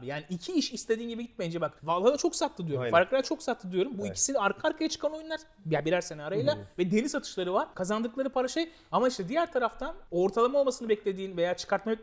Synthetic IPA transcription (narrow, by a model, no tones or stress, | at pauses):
jaːniicʰiiʃist̪ʰe̞d̪iːnɟibiɟit̪̚mejind͡ʒɛbakvalˠhad̪at͡ʃʰo̞ksat̪lˠɯd̪ijoufaɾkat͡ʃʰo̞ksat̪lˠɯd̪yjo̞ɾumbuicʰi̥silɛaɾkʰaːɾkʰajat͡ʃʰɯ̥kʰano̞jynˠaɾ | jabiɾæɾse̞naːɾajlˠavɛd̪e̞lisat̪ʰɯ̥ʃlˠaɾɯvaɾ̥kʰazand̪ɯklˠaɾɯpʰaɾaʃej | amaiʃt̪ʰɛd̪ijæɾt̪ʰaɾaft̪ʰano̞ɾt̪ʰalˠamaolˠmasɯnɯbɛclʲe̞d̪iːnvejaːt͡ʃʰɯ̥kʰaɾt̪ma